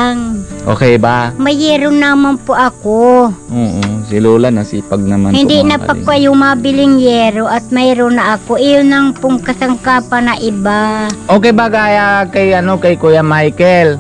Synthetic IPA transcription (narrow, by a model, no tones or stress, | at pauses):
ŋʔo̰ːkɛjbamɐjɛɾʊnamanpoʔɐkooːʔosɪluːlanasipaɡ̚nɐma̰nhɪnd̪ɪnɐpakwajʊŋmabɪlɪŋjɛɾoʔɐt̪̚maɛɾonɐʔɐkoʔɪjonaŋpʊŋkɐsaŋkaːpanaʔɪbaʔoːkɛjbaɡaːjakajɐnokajkujamajkɛl